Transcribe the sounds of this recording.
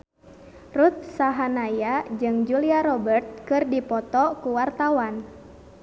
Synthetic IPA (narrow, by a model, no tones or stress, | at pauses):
rut̪̚saɦanajad͡ʒɨŋd͡ʒuliaɾɔbərt̪̚kɨrdipɔt̪ɔkuwart̪awan